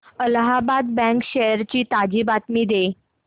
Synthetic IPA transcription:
əlɦabad̪bɛ̃ŋkɕejəɾt͡ɕiːt̪ad͡ʑibat̪miːd̪e

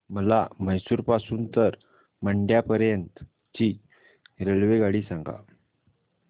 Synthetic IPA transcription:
məlaməjsuːɾpasuːnt̪əɾ | məɳɖjapəɾjənt̪ | t͡ɕi | ɾəlʋeɡaɽiːsãŋɡa̰

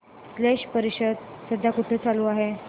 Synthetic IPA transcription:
sleɕpəɾiɕəd̪̚səd̪ʱːakuʈʰet͡saluːaɦe

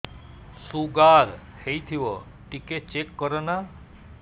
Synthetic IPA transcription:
suɡaɾ | hejt̪ʰiʋɔ | ʈiket͡ʃekːɔɾɔna

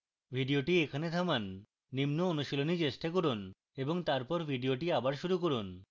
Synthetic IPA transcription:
bʱiɖioʈiekʰaned̪ʱamanː | imnoonuʃilonit͡ɕeʃʈakoɾun | eboŋt̪aɾpɔɾbʱiɖioʈiabaɾʃuɾukoɾun

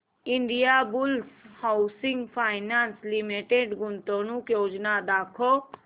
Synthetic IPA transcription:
ɪɳɖijabʊlshaːsɪŋɡpʰaːɪnaːnslɪmiʈeɖɡʊnt̪õnũkjoːd͡ʒnad̪aːkʰoː

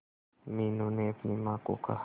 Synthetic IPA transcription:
minoneɐpnimãːko̰ka̰

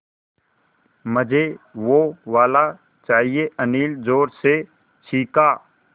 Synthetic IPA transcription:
məd͡ʒeʋoʋaːla | t͡ʃaːɦieʔəniːld͡ʒoːɾse | t͡ʃʰiːkaː

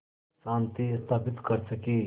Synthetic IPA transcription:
saːnt̪ist̪ʰaːpɪt̪kəɾsəki

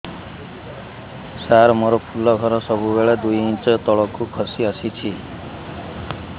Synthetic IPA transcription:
saɾmoɾɔpʰulɔɡʱɔɾɔsɔbubeɭed̪ujint͡ʃɔt̪ɔɭɔkukʰɔsiɔsit͡ʃʰi

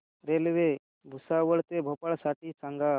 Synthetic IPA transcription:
ɾelʋe | bʱusaʋəɭt̪ebʱopaɭsaʈiːt͡sãŋɡa

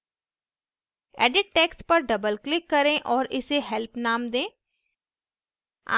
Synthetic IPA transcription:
ɛ̰ːɖɪʈ̚ʈeːkspɐɾɖɐbəlklɪkːɐɾẽʔɔːɾɪseɦɛlpnaːmd̪ẽː | a̰

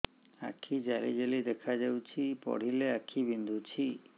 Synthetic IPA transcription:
a̰kʰid͡ʒalḭd͡ʒelid̪ɛkʰad͡ʒewt͡ʃʰipɔ̰ɽ̤ileakʰibind̪ʱut͡ʃʰi

